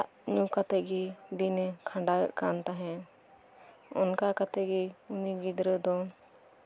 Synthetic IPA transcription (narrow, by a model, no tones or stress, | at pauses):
aʔ | ɲukat̪ɛɡɛd̪inɛkʰãɳɖajə̰ʔkant̪aɦɛ̃ | ɔ̰nkakat̪ɛɡɛuniɡid̪ɾəd̪ɔ